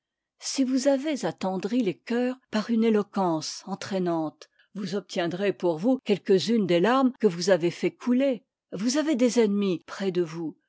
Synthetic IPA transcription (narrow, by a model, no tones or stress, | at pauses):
sivuzavezat̪ɑ̃d̪ʁilekʲœːʁpaʁynelɔkɑ̃sɑ̃t̪χɛnɑ̃t̪ | vuzɔp̚t̪jɛ̃d̪ʁepuʁvukʲɛlkəzynd̪elaʁmkəvuzavefɛkʰule | vuzaved̪ezɛnmipχɛd̪əvu